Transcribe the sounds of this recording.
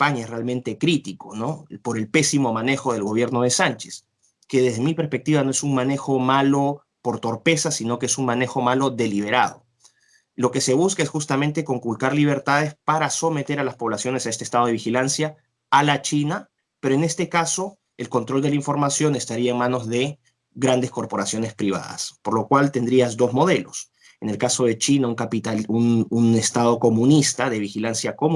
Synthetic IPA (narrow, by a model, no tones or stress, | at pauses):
paɲaesrealmẽ̞nt̪e̞kɾit̪iko̞nopo̞ɾe̞lpe̞simo̞mane̞xo̞ð̞e̞lɣo̞βje̞ɾno̞ð̞e̞sant͡ʃe̥s | ke̞ðe̞zðemipeɾspe̞k̚t̪iβanoe̞suŋmane̞xo̞malo̞ | po̞ɾt̪o̞ɾpe̞sasino̞ke̞esuŋmane̞xo̞malo̞ðe̞liβ̞e̞ɾaðo̞̰ | lo̞ke̞se̞β̞uskaesxust̪amẽnt̪e̞ko̞ŋkulkaɾliβ̞eɾt̪að̞e̞spaɾaso̞me̞t̪e̞ɾalaspo̞βlasjo̞ne̞sae̞s̬t̪est̪aðeβixilansjaː | lat͡ʃina | pe̞ɾoene̞st̪e̞kaso̞ | e̞lko̞nt̪ɾo̞ld̪elaiɱfo̞ɾmasjo̞ne̞st̪aɾiae̞ŋmãno̞zðe̞ | ɣɾand̪e̞sko̞ɾpo̞ɾasjo̞ne̞spɾiβa̰ða̰spo̞ɾlo̞kwalt̪e̞nd̪ɾiazd̪o̞zmo̞ðe̞lo̞s | ene̞lkaso̞ð̞e̞t͡ʃinauŋkapit̪aununest̪að̞o̞ko̞mũnist̪aðe̞β̞ixilansjako̞m